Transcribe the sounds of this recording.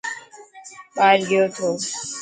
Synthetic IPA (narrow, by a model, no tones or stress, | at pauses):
ɓaːɾɡəjoːt̪ʰoː